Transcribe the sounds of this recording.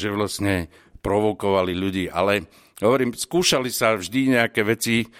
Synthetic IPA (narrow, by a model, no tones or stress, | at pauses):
ʒɛʋlasɲɛ | pɾɔʋɔkɔʋaliʎuɟiːʔa̰lɛ | ɦɔʋɔɾiːmskuːʃalisavʒd̪iɲɛakɛːʋɛt͡si